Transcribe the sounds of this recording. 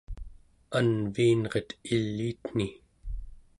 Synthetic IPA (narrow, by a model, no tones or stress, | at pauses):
anviːnʁe̞t̪ilːiːt̪n̥i